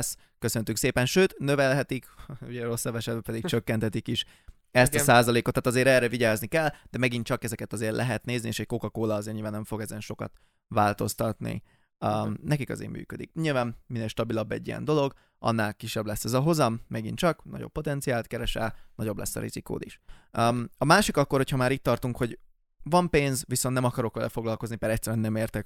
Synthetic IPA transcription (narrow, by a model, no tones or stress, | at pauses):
s | køsø̞nt̪ykseːpɛnʃøːt̪nøvɛlɦɛt̪ikuɟɛɾo̞sːɒbɛʃɛd̪bɛpɛd̪ikt͡ʃøkːɛnt̪ʰɛt̪ikiʃ | ɛst̪ɒsaːzɒleːkot̪ːat̪ɒzeːɾɛrːɛviɟaːznikɛld̪̥ɛmɛɡint͡ʃɒkɛzɛkɛt̪ɒzeːrlʔɛɦɛt̪neːznieːʃɛc̚ko̞kɒkoːlɒɒzeːɾɲilvaːnːɛɱfo̞ɡɛzɛnʃo̞kɒ̰t̪ | vaːlt̪o̞st̪ɒt̪nḭ | nɛkikɒ̰zḛːɾmy̰ːkød̪ḭk̚ɲiːlvaːmmineːlʃt̪ɒbilɒbːɛ̰ɟːijɛ̰nd̪o̞lo̞ɡ | ʔɒ̰nːaːlkiʃɛblɛsːɛzɒɦo̞zɒmːɛɡint͡ʃɒknɒ̰ɟo̞̰pːo̞t̪ɛnt̪sijaːlt̪kɛɾɛʃɛ̰lnɒɟo̞blɛ̰sːɒ̰ɾḭz̥iko̰ːd̪iʃmɒmaːʃikɒkːorhochɒmaːɾiːt̪̚t̪ːɒrt̪uŋkho̞ɟ | vɒmpeːnzʋisonnɛmɒkɒɾo̞kʋɛlɛ̰fo̞ɡlɒlkoznipɛɾɛcʲsːɛɾyɛnːɛmeːrt̪ɛk